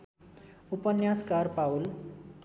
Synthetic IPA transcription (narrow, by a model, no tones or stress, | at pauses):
upənjaskaɾpawl